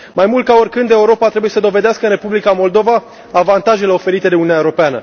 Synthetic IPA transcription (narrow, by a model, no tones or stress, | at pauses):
majmult̪̚kao̞rʲkɨnd̪e̞uɾo̞pat̪ɾebuje̞səd̪o̞ve̞d̪easkəɨnre̞publikamo̞ld̪o̞vaː | vant̪aʒe̞le̞o̞fe̞ɾit̪e̞d̪e̞uninʲaeɾopeanə̰